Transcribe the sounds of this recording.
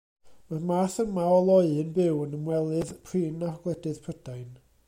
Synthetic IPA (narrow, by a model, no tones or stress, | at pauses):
mamaːθənmaɔlˠɔɨənbɪwənəmwɛlˠɨðpʰriːnaɡ̥lˠɛdɨð̥pʰrədajn